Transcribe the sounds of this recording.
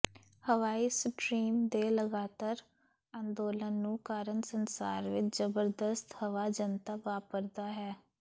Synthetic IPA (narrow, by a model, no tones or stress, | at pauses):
həʋaːiːsəʈɾiːmd̪eːləɡaːt̪aːɾ | ãːnd̪oːlənːũːkaːɾənsənsa̰ːɾʋɪt͡ʃzəbəɾd̪əst̪həʋaːd͡ʒənt̪aːʋaːpəɾd̪aːɦɛː